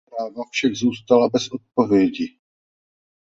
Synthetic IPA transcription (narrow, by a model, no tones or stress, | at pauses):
ɾaːvafʃakzuːst̪alabɛsʔot̪̚po̞vjɛɟɪ